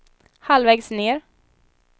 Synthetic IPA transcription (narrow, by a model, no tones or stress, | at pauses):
halvɛːɡsneːɾ